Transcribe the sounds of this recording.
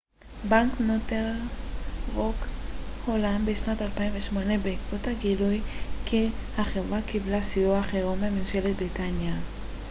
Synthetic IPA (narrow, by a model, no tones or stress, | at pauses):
baŋknotel | ʁokholanbeʃnatalpainveʃmonebekotaɡilujkʰihaχevakiblasioaχeʁomemenʃelet̚bʁitanja